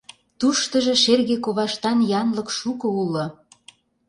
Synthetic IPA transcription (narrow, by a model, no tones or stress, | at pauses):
t̪uʃt̪ə̆ʒe̽ʃerɣekoβɑʃt̪ɑnjɑnlɤ̆kʃukɤ̆ulːɤ̆